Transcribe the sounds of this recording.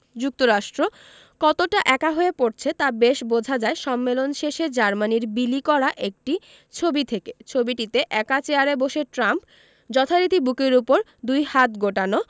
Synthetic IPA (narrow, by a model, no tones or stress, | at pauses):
d͡ʑuk̚t̪oɾaʃʈɾo | kɔt̪oʈaʔɛkaɦoepoɾt͡ɕʰet̪abeʃbod͡ʑʱad͡ʑaeʃɔmːelonʃeʃed͡ʑaɾmaniɾbilikɔɾaʔek̚ʈi | t͡ɕʰobit̪ʰeket͡ɕʰobiʈit̪eʔɛkat͡ɕeaɾeboʃeʈɾamp | d͡ʑɔt̪ʰaɾit̪ibukeɾupoɾ | d̪ujhat̪ɡoʈano